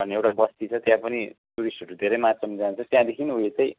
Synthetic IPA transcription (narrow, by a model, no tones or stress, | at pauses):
bʱʌnːeewʈabʌst̪it͡sʰʌt̪jãpʌnit̪uɾisʈoɾud̪ʱeɾʌjmasʌmd͡zant͡sʰʌt̪jãd̪ekʰinɦujet͡sʌ̃j̃